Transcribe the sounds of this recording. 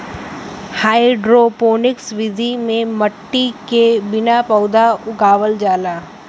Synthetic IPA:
haːɪɖɾopoːnɪksʋɪd̪ʱimẽmɐʈːikebɪnapɔːd̪aʊɡaːʋəld͡ʒaːlaː

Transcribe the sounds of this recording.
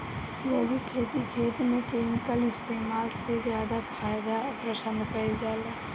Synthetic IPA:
jəbikʰeːt̪ikʰeːt̪mẽkeːmɪkəlɪst̪eːmaːlsezjaːd̪apʰaːjd̪apɾəsə̃nd̪kəid͡ʒaːleː

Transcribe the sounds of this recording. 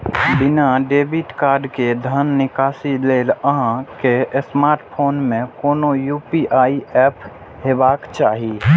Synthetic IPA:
bɪnaɖeːbiʈkaːɾɖked̪ʱənːɪkaːsileːləɦãkesmaːɾʈpʰoːnmẽkoːnojuːpiʔaːiɛːp | ɦeːbaːkt͡ʃaːɦi

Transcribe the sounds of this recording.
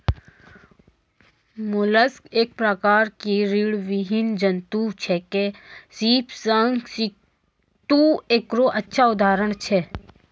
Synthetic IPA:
mʊləskeːk̚pɾəkaːɾkiɾiːɽʋɪɦɪnd͡ʒənt̪ut͡ʃʰɛkesiːpsəŋɡsi | t̪ueːkɾoʔɐtːʃʰaʊd̪ʱaːɾəɽ̃t͡ʃʰɛ

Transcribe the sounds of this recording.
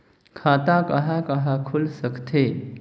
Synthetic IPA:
kʰat̪akəɦakəɦakʰulsəkt̪ʰe

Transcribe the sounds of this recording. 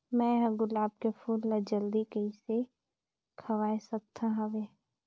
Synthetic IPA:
mɛ̃ɦɐɡʊlaːb̚kefʰuːllad͡ʒɐld̪ikɐise | kʰɐʋaːesɐk̚t̪ʰaɦɐʋeː

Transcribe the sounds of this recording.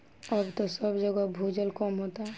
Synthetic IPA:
ɔbt̪ɔsɔbd͡ʒɔɡɔbʱud͡ʒəlkɔmɦot̪a

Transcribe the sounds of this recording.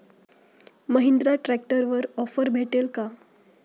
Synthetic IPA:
məɦind̪ɾaʈɾæk̚ʈəɾʋəɾɔfəɾbʱeʈelka

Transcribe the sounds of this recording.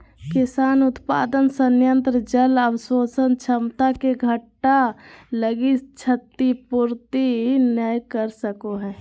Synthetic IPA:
kɪsaːnʊt̪pa̰ːd̪ənsənjə̃nt̪ɾəd͡ʒələwəswoːsənt͡ʃʰəmt̪akeɡʱəʈːaləɡit͡ʃʰət̪ːipuːɾt̪inəjkəɾsəkoɦɛ̃ː

